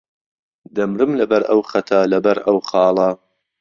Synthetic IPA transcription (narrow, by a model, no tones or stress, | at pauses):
d̪ɐmɾɨmlɐbɐɾɐ̰wχɐt̪ʰalɐbɐɾɐwχɑːlˠɐ